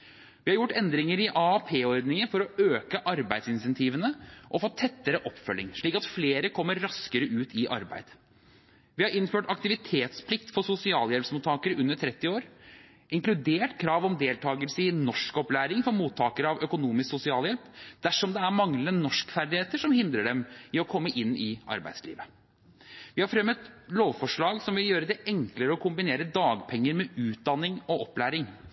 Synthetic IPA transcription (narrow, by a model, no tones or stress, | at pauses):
ʋɪhɑɾjʊʈːɛnd̪ɾɪŋəɾɪʔɑpʰeːɔɾd̪nɪŋənfɔɾɔøːkəʔɑɾbæɪd̪sɪnɪsɛnt̪ʰiːʋənəʔɔfoːt̪ʰɛt̪ːəɾəʔɔpːfœlːɪ̰ŋʂɭiːkɑt̪fleːɾəkʰɔmːəɾːɑskəɾəʉːt̪ʰɪʔɑ̰ɾbæ̰ɪd̪̥ | ʋɪhɑɾɪnːføːʈɑk̚t̪ɪʋɪt̪ʰeːt̪spʰlɪkt̪fɔsʊsɪɑːljɛlpsmuːt̪ʰːɑːkəɾʉnːəʈʰɾɛt̪ːɪoːɾ | ʔɪŋklʉd̪eːʈkʰɾɑːʋɔmd̪eːlt̪ʰɑːɡəlsəɪnɔʂkɔplæːɾɪŋfɔɾmuːt̪ʰːɑːkəɾəɑʋœkʊnuːmɪsksʊsɪɑːljɛlpd̪̥æʂɔmd̪ɛæɾmɑŋlənənɔʂkfæɾɖ̪ɪheːt̪əʂɔmhɪnd̪ɾəɖɛmɪɔkʰɔmːəʔɪnːɪʔɑ̰ɾbæ̰ɪslḭːʋə | ʋɪhɑɾfɾɛmːət̪loːʋfɔʂɭɑːɡsɔmʋɪljøːɾəd̪ɛʔɛŋkləɾəɔkʰʊmbɪneːɾəd̪ɑːɡpʰɛŋːəɾmɛʉːt̪̚d̪ɑnːɪŋɔʔɔplæːɾɪŋ